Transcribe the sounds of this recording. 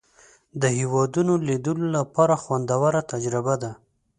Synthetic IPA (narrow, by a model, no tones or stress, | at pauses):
d̪əhewɑd̪unolid̪əlolapɑɾaxwand̪awaɾat̪ad͡ʒɾɪbad̪a